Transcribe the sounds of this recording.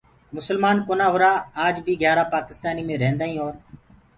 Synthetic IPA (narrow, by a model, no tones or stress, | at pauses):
mʊsəlmaːnkoːnaːɦʊɾaːaːd͡ʒbʱiːɡʱjaːɾaːpaːkɪst̪aːniːmẽːɾẽːnd̪aːĩːɦoːɾ